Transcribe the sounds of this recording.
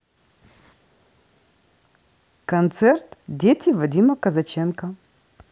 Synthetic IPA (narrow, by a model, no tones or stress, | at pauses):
kɐnt̪sɛrt̪dʲetʲɪvɐdʲimɐkɐzɐt͡ɕenkɐ